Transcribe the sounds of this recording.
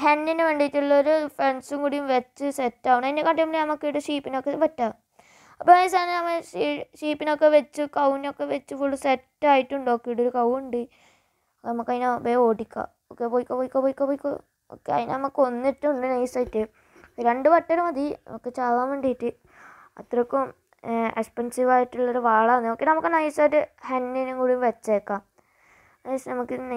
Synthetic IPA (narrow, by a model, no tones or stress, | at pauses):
henːinɨʋeːɳɖijitːuɭːɐoɾufɾeɳsuŋkuːɽijumʋet͡ɕːɨsetːaːʋuɳɐinːdekɐʈːjɐmbilinɐmɐkːejuʈːɨʂiːpːinokːepɐtːaː | ɐpːonejs̬aːnenɐmːeʂiːpːino̞kːeʋet͡ɕːɨkɐwnokːe̞ʋet͡ɕːɨfuɭːusetːaːjiʈːuɳɖokːejuɽoɾukɐwuɳɖɨ | nɐmːɐkːɐðinbeoːɽikʲːa̰ | okːepoːjikʲːapoːjikʲːapoːjikːapoːjikːo | o̰kːeɐ̰ðinḛnɐmukːɨo̞nːitːuuɳɖɨnɐjsaːjitːɨ | ɾe̞ɳɖɨpɐʈːɐɾumɐd̪io̰kːe̞t͡ɕaːʋaːmʋeɳɖijitːɨ | ɐt̪ːrɐkːum | ekspɐnsiʋaːjiʈːuɭːɐoɾuʋaːɭanːɨokːe̞nɐmukːɨnɐjsaːjiʈːɨhɐnːinuŋkuːɽiʋet͡ɕːekːam | ɐsnɐmukːɨn